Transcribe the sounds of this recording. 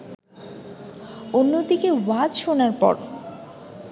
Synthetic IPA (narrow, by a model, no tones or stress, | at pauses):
onːod̪ikewad̪ʃonaɾpɔ̰ɾ